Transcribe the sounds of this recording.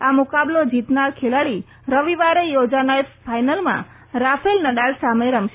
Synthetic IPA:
amʊkablod͡ʒit̪naɾkʰelaɭi | ɾəʋiʋaɾejod͡ʒanajt̪pʰajnəlmã̰ | ɾafʰelnəɗalsameɾəmʃe

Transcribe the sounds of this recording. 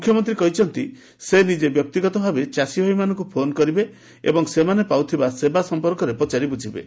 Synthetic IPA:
mukʰjɔmɔnt̪ɾikɔɦit͡ʃʰɔnt̪i | senid͡ʒebjɔk̚t̪iɡɔt̪ɔbʱabet͡ʃasibʱabimanɔ̃ŋk̬upʰonkɔɾibe | ḛbɔŋsemanepawt̪ʰibasebasɔmpɔɾkɔɾepɔt͡ʃaɾibud͡ʒʱibḛ

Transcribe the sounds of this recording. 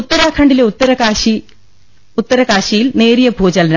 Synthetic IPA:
ut̪ːɐɾaːkʰɐɳɖileut̪ːɐɾɐkaːɕi | ut̪ːɐɾɐkaːɕijilne̞ːɾijɐbʱuːd͡ʑɐlɐnɐ

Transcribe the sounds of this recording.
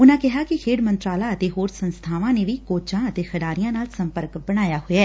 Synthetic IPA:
ʊnãːkɪɦaːkɪkʰeːɽmə̃nt̪ɾaːlaːət̪eːɦoːɾsənst̪ʰaːʋãːneːʋiːkoːt͡ʃãːət̪eːxʰəɖaːɾɪjãːnaːlsəmpəɾkbəɽ̃aːjaːɦoaɛː

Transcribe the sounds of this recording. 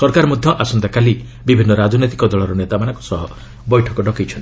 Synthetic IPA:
sɔɾkaɾɔmud̪ʱjɔʔasɔnd̪akali | bibʱinːɔɾad͡ʒɔnɔt̪i̥kɔd̪ɔɭɔɾɔnet̪amanɔŋku̥sɔɦɔ | bɔjʈʰɔkɔɖɔkejt͡ʃʰɔnt̪i

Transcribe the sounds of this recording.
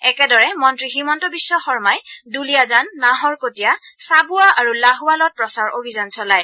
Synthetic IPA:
ɛkɛdɔɹɛmɔntɹiximɔntɔbisːɔxɔɹmajdulijazanːaɦɔɹkotijasabuaʔaɹulaɦualɔt̚pɹɔsaɹʔobʱizɔnsɔlaj

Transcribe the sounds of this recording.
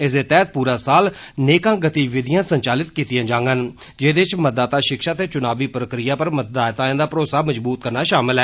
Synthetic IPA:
ɪs̬d̪eːt̪ɛːt̪̚puːɾaːsaːlneːkãːɡət̪iːʋɪd̪ɪjãːsəɲt͡ʃaːlɪt̪kiːt̪ɪjãːd͡ʒãːŋɡən | d͡ʒeːd̪eɪt͡ʃmət̪̚d̪aːt̪aːʃɪkʃaːt̪eːt͡ʃʊnaːʋiːpɾəkɾɪjaːpəɾmət̪̚d̪aːjt̪ãːd̪aːpɾoːsaːməd͡ʒbuːt̪̚kəɾnaːʃaːmɪlɦɛː

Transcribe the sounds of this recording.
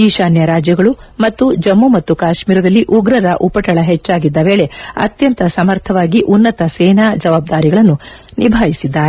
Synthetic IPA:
iːʃaːnjɐɾaːd͡ʒjɐɡɐɭumɐt̪ːud͡ʒɐmːumɐt̪ːukaːʃmiːɾɐd̪ɐlːiʔuɡɾɐɾɐʔupɐʈɐɭɐɦet͡ʃːaːɡid̪ːɐʋe̞ːɭe̞ɐ̰t̪jɐnt̪ɐsɐmɐɾt̪ʰɐʋaːɡiʔunːɐt̪ɐseːnaːd͡ʒɐʋaːb̚d̪aːɾiɡɐɭɐnːu | nʔibʱaːjisid̪ːaːɾe

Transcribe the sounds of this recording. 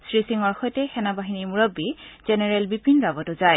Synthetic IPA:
sɹisiŋɔɹxɔjtɛxɛnabaɦinimuɹɔbːizɛnɛɹɛlbipinɹabɔtʊzaj

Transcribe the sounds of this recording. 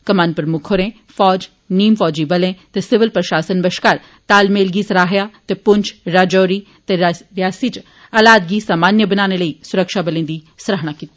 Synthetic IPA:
kəmaːnpɾəmʊkʰoːɾẽː | fɔːd͡ʒ | niːmfɔːd͡ʒiːbəlẽːt̪eːsɪʋɪlpɾəʃaːsənbəʃkaːɾ | t̪aːlmeːlɡiːsəɾaːɦjaːt̪eːpʊɲt͡ʃʰɾaːd͡ʒɔːɾiː | t̪eɾɪjaːsiːt͡ʃ | alaːd̪̚ɡiːsaːmaːnjəbənaːneːləiːsʊɾəkʃaːbəlẽːd̪iː | sɾəɦɽ̃aːkiːt̪i

